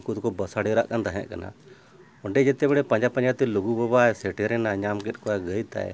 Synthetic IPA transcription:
kut̪̚kɔbəsaɽɛɾaʔkant̪aɦɛ̰̃ʔkana̰ | ɔɳɖɛd͡ʒɛt̪ɛbɛɽɛpãɲd͡ʒapãɲd͡ʒat̪ɛluɡubɔbaɛsɛʈɛɾɛnaɲamkɛt̪̚ˀkɔaɡəjt̪a̰j̰

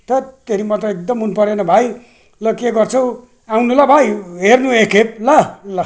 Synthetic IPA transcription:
t̪ʌt̪eɾimʌt̪ʌek̚d̪ʌmɦunupʌɾenʌbʱaj | lʌkeɡʌrt͡sʰʌw̃ | awnulabʱajɦernuekep̚lʌlʌ

